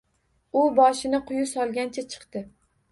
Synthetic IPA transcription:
ʊbɒʃɪnɪqʰʊjʊsɒlˠɡʲant͡ʃʰat͡ʃʰɨ̥qt̪ɪ

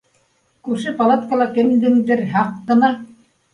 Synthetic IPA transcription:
kʉɾʃɘpalˠat̪kalˠɑkɘ̆md̪ɘŋd̪ɘɾɦɑqːɤ̆nɑ

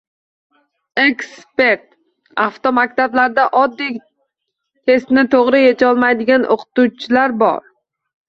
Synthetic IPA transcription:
ekspe̞ɾt̪ | aft̪omak̚ʲt̪ʰablaɾd̪aʔɒd̪ːij | t̪ʰe̞st̪nɪt̪ʰoʁɾɪjet͡ʃʰɒlˠmajd̪ɪɡʲanʔo̰qʰɨ̥t̪ut͡ʃʰɪlaɾbɒ̰ɾ

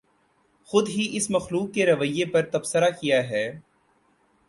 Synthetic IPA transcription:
xʊd̪ɦiʔɪsmɐxluːkːeɾɐʋəjːepɐɾt̪ɐbsəɾakijaɦɛː

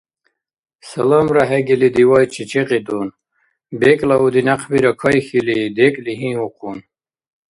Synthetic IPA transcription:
sələmɾaɦeɡilid̪iwajt͡ʃʰit͡ʃeqid̪un | beklaud̪inaqʰbiɾakʰʌjxilid̪ekliɦĩhuqʰun

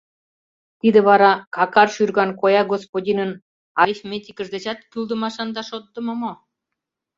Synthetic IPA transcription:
t̪id̪ə̆βɑɾɑkɑkɑrʃyrɣɑnkojɑɡospodʲinən | ɑɾifmʲet̪ʲikə̆ʒd̪et͡ɕɑt̪kyld̪ə̆mɑʃɑnd̪ɑʃot̪ːə̆məmo

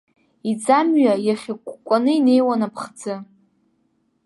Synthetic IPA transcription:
id͡zamɥajaχʲakʷkʷʼanɨine̞jwanapʰχd͡zɨ

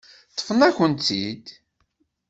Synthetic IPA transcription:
t̪ːə̥fənæçənt̪id̪

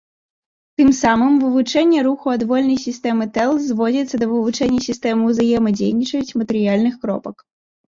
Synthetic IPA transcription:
t̪ɨmsamɨmvɨvut͡ʂɛnʲːɛɾuxuɐd̪vɔlʲnɐjsʲist̪ɛmɨt̪ɛlˠzvɔd͡zʲit̪sːɐd̪ɐvɨvut͡ʂɛnʲːɐsʲist̪ɛmɨwzajɛmɐd͡zʲejnʲit͡ʂɐt͡sʲmɐt̪ɨɾɨjalʲnɨxkɾɔ̰pɐk

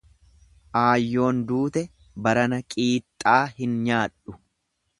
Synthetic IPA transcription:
ʔaːjːo̞ːnd̪uːt̪ɛ | bɐɾɐnɐkʼiːt̪ʼːaːhɪnɲaːᶑʊ

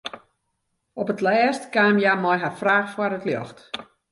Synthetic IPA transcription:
ɔpətlɛːstkaːmjamɔjɦafraːxfwarətljɔ̰xt

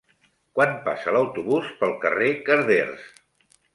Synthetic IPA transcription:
kwanpa̰sələwt̪uβuspəlˠkərekəɾðers

